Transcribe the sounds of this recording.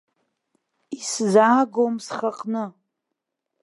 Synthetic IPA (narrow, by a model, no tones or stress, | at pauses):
iszaːɡomsχaqʼnɨ